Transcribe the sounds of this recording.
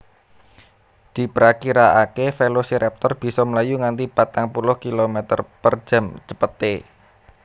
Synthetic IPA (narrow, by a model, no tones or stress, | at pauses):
d̪̥i̤pɾakiɾaakefelosiɾɛp̚t̪ɔrb̥i̤sɔməlajuŋant̪ipat̪aŋpulʊhkilomɛt̪ə̰rpər̥d͡ʒ̥a̤md͡ʒəpət̪e